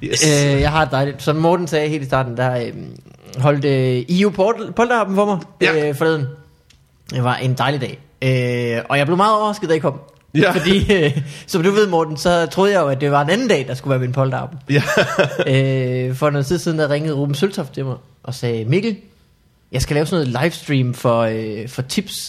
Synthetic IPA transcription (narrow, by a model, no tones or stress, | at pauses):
øjɑ̈ɪɑ̈e̝dd̥ɑ̈ɪlid̥sɒ̽mɒːd̥n̩sɛːhe̝ːlisd̥ɑ̰̈ːd̥n̩d̥ɑ̈ø | ɦɒ̽l̰d̥əiupʰpʰɒ̽ld̥əɑ̈ːb̥m̩fɒ̽mɑ̈ɪfɒleːðˠn̩ | ʋɑ̈ʔe̝nd̥ɑ̈ɪlidɛ̰ː | øɒ̽jɑ̈ɪbleʊmɑ̈ːðˠɒʊɐʁɑsɡ̥ð̩̥ˠæɪkɒ̽m̰ | fɒ̽dḭːsɒ̽md̥uʋe̝ð̞ˠmɒːd̥n̩sɒ̽t͡sʰʁo̝ːðˠjɑ̈ɪjoæd̥e̝ʋɑ̈e̝nænn̩d̥ɛ̰ːd̥ɑ̈sɡ̥uʋæːɐminpʰɒ̽ld̥əɑ̈ːb̥m̩ | øfɒnoːn̩siðˠsið̞ˠnjɑjʁeŋəð̩ˠʁoːb̥m̩sølt͡sʰɒft͡sʰe̝mɑ̈ɪ | ʔɒ̽sɛːmiɡ̥l̩ | jɑ̈ɪsɡ̥ælɛːʊsnoːð̩ˠlɑ̈ɪfsd̥ʁiːmfɒ̽øfɒ̽t͡sʰib̥s